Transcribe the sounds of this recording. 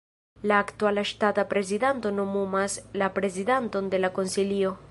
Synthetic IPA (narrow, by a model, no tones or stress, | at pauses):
laːkt̪ualaʃt̪at̪apɾezidant̪onomumaslapɾeziðant̪ond̪elakonsilio